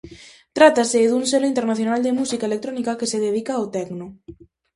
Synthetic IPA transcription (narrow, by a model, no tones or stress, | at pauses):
t̪ɾat̪aseðuŋselʊint̪eɾnaθjonald̪emusikaelek̚t̪ɾonikakeseðeðikaːwt̪ɛɡno